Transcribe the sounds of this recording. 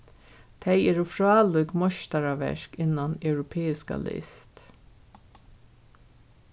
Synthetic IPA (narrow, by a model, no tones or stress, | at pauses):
t̪ʰeɪeːɾuːfɹɑːluɡmɔʃt̪ɑɾaʋɛ̰ɹkɪnɑnœʉɾʊpʰeːɪska̰lɪ̰st̪